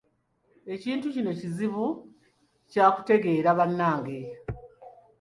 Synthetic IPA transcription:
e̞ciːntucino̞ciziβu | caːku̥te̞ɡe̞ːɾaβanːaːŋɡe̞

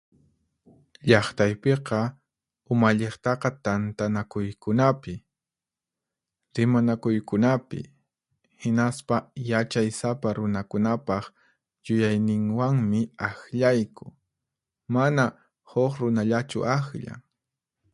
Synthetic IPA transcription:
ʎɑχt̪ajpeqɑ | ʊmaʎeχt̪ɑqɑt̪ant̪anakʊjkʊnapɪ | ɾɪmanakʊjkʊnapɪ̰ | hɪnaspajat͡ʃajsapaɾʊnakʊnapɑχ | jʊjajnɪŋwaŋmɪaxʎajkʊ̥ | mana | hoχɾʊnaʎat͡ʃʊ̰ʔaxʎa̰ŋ

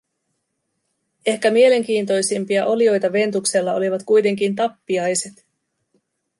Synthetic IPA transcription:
e̞hkæmie̞le̞ŋk̟iːnt̪o̞jsimpiɑʔo̞lio̞jt̪ɑʋe̞nt̪ukse̞lːɑo̞̰liʋɑt̪kujt̪e̞ŋk̟int̪ɑpːiɑjse̞t̪

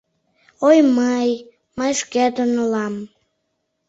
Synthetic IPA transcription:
ojməj | məjʃkæd̪onolɑm

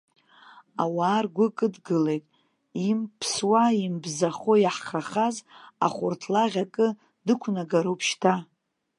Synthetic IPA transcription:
awaːrɡʷʊkʼɨdɡɨlejtʼ | impʰswaimbzaχojaħχaχaza̰χʷʊrtʰlaʁʲakʼɨ | dɨkʷʰnaɡaɾowpʰʃtʰa

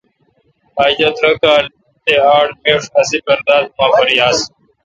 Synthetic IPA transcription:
aːd͡ʑɐt̪ɾɐkaːl | t̪eːaːɽmeːʂɐzibɐɾd̪aːd̪̚maːfɐɾiaːs

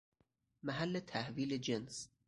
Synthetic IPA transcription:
mæɦælːet̪ʰæhviːled͡ʒens

